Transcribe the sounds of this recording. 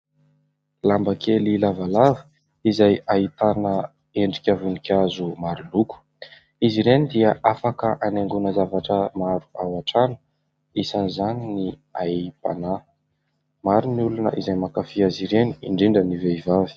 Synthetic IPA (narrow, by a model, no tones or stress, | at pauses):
lambəkʰelilavalavi̥ | izajait̪anə | eɳɖ͡ʐikʲavunikʲazumaɾuluku̥ | iziɾenid̪iəʔafakəʔaneŋɡunəzavaʈ͡ʂəmaɾuawaʈ͡ʂanu̥ | isanizanini | aipa̰na | maɾiniulunə̰ʔizajmakafiaziɾeniiɳɖ͡ʐiɳɖ͡ʐəniveivavi̥